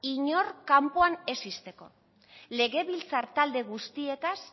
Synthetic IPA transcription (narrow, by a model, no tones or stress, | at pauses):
iɲo̞rkampoane̞sist̪e̞ko̞ | le̞ɣe̞βilt͡saɾt̪ald̪e̞ɣ̞ust̪ie̞t̪as